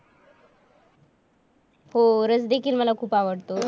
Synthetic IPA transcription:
hoɾət͡sd̪ekʰiːlməlakʰuːpaʋəɽt̪o

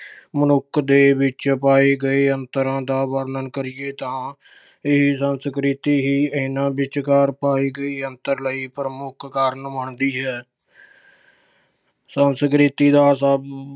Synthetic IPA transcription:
mənʊkʰd̪eːbɪt͡ʃpaːiːɡəeːənt̪əɾãːd̪aːʋəɾnənkəɾɪjeːt̪ãː | ɪɦiːsənskɾɪːt̪iːɦiːənãːbɪt͡ʃkaːɾpaːiːɡəiːənt̪əɾləiːpɾəmʊkʰkaɾnməɳd̪iːɦɛː | sənskɾɪt̪iːd̪aːsəb

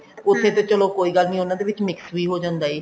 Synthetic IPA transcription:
ʊt̪ʰːeːt̪õːt͡ʃəloːkoːiːɡəlnĩːʊnãːd̪eːʋɪt͡ʃmɪksʋiːɦoːd͡ʒãːnd̪aːeː

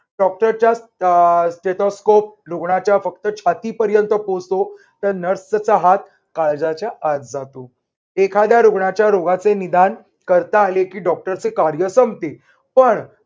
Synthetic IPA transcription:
ɖɔk̚ʈəɾt͡ɕjassʈeʈ̪oskop̚ɾuɡɳat͡ɕjafək̚t̪ət͡ɕʰat̪iːpəɾjənt̪əpost̪o | t̪əɾnəɾst͡saɦat̪̚ | kaɭd͡zat͡ɕjaʔːt͡sd͡zat̪o | ekʰad̪jaɾuɡɳat͡ɕjaɾoɡat͡senid̪an | kəɾt̪aːlekiːɖɔk̚ʈəɾt͡sekaɾjəsəmt̪e | pəɳ

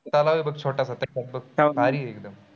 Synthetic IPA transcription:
t̪alaʋibəɡ̚t͡ɕʰoʈasat̪ɐanbəɡ̚kaɾiːek̚d̪əm

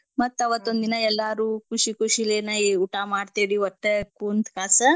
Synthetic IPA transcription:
mɐt̪ːɐʋɐt̪ːond̪inɐɛlːaːɾuːkuʂikuʂileːnɐuʈamaːɖt̪iɽiɔʈːekuːnt̪kaːsɐ

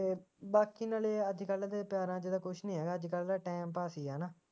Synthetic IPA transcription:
eːbaːkiːnaːleːəd͡ʒkəlaːd̪eːpɪjaːɾãːd͡ʒɪd̪aːkʊʃʰnĩːɦɛːɡaːd͡ʒkəlːdaːʈɛːmpaːsiːaːnaː

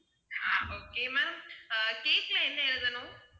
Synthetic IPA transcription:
aːoːkeːmɛːɾɐmkeːslɐɛnːɐɪɾɯd̪ɐnʊ̃

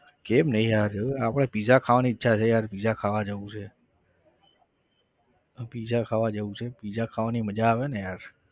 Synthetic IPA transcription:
kemnəɦĩjaɾəeapɽ̃epizakʰaʋaniːtːʃʰat͡ʃʰejaːɾpizakʰaʋad͡ʒəũt͡ʃʰe | əpizakʰaʋad͡ʒəũt͡ʃʰepizakʰaʋaniməd͡ʒaːʋenejaːɾ

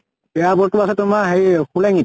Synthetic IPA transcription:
bɛabɔɹtuasɛtʊmaɦejxulɛŋit̚

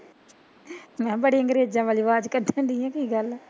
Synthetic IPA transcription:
mɛ̃ːbəɽiːəŋɡɾeːd͡ʒãːʋaːliːʋaːd͡ʒkəɖʱãːnd̪ɪjãːkiːɡəl

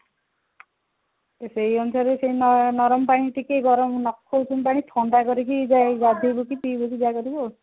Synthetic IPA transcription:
esejɔnusaɾesejnnɔɾɔmpaɽ̃iʈikeɡɔɾɔmnɔkʰːoutʰumpaɽ̃it̪ʰɔɳɖakɔɾikid͡ʒad͡ʒad̪ʱijbokipibokid͡ʒakɔɾibo

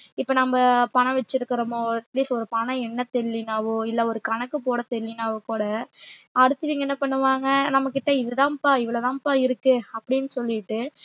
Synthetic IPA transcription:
ɪpːonɐmːɐpɐɳɐ̃ʋɛt͡ʃːɪɾɯkːɪɾɐmoːɐʈliːsɔɾɯpɐɳɐ̃ɛnːɐt̪ɛlːɪnaːʋɯɪlːɐɔɾɯkɐɳɐkːɯpoːɽɐt̪ɛlːɪnaːʋɯkuːɽɐɐɽɯt̪ːɯʋiːŋɡɐɛnːɐpɐɳːɯʋaːŋɡɐnɐmːɐkːɪʈːɐɪðɯðãːpaːɪʋɐɭɐt̪ãːpaːɪɾɯkːɯɐpːɐɽɪnːɯsɔlːɪʈːɯ

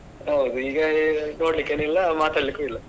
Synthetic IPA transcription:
ɦɐwd̪uiːɡɐno̞ːɽlikːeːnɛlːɐmaːt̪aːɽlikːuilːɐ

